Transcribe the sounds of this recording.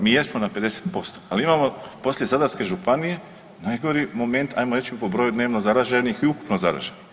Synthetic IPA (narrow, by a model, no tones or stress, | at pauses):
miːjesmonape̞d̪e̞se̥t̪po̞st̪oaliimaːmo̞po̞slje̞zad̪aɾske̞ʒupanije̞ | najɡo̞ɾimo̞me̞nt̪ʰa̰jmoɾet͡ʃipobɾo̞jud̪ne̞ːʋnozaɾaʒenixiuku̥pnozaɾa̰ʒen